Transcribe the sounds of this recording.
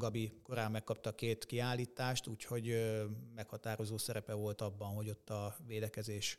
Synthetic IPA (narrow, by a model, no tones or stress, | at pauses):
ɡɒbiko̞ɾaːmːɛkːɒp̚t̪ɒkeːt̪kiaːlːiːt̪aːʃt̪uːcho̞ɟmɛkhɒt̪aːɾo̞zoːsɛɾɛpɛvo̞lt̪ɒbːɒnɦo̞ɟo̞t̪ːɒveːd̪ɛkɛzeːʃ